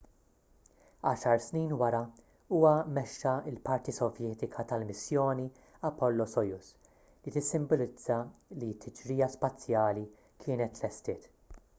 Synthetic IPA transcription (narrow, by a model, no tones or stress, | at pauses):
ɐːʃɐɾsniːnwɐɾɐ | uːwɐmɛʃːɐɪlpɐɾt̪isɔvjɛːt̪ɪkʰɐt̪ɐlmɪsjɔːni | ɐpːɔlːɔsɔjʊs | lit̪ɪsːɪmbɔlɪd͡zːɐlit̪ʰːɪd͡ʒɾiːjɐspɐt͡sːjɐːli | kʰɪːnɛt̪lɛst̪ɪːt̪